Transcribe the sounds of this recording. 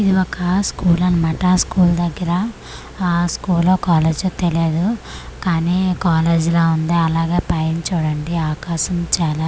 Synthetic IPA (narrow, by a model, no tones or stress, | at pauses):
id̪iʋɔkɐskuːlɐnimɐʈɐskuːld̪ɐɡːɐɾɐː | skuːlːoːkaːleːd͡ʒoːt̪eleːd̪ukaːniːkaːleːd͡ʒiloːund̪eːɐlaːɡeːpaːjiɲt͡ʃuːɽɐɳɖiaːkaːʃɐmt͡ʃaːlaː